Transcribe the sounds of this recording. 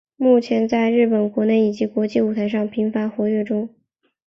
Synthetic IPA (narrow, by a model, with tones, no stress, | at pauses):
mu˥˩t͡ɕʰjɛ˧˥nt͡sa˥˧ɪɻɻ̩˥˩pə˨˩nkwɔ˧˥ne˥˩ɪi˨˩t͡ɕi˧˥kwɔ˧˥t͡ɕi˥˩u˨˩t̪ʰa˧˥ɪʂ̬ɑ˥˩ŋpʰi˧˥ŋfa˧˥nxwɔ˧˥ɥɛ˥˩ʈ͡ʂʊ˥ŋ